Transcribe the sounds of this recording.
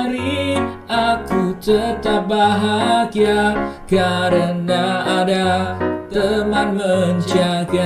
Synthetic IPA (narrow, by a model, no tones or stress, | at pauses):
ɾiakut̪ət̪abaɦakijakaɾənaːdat̪əmanməɲt͡ʃaka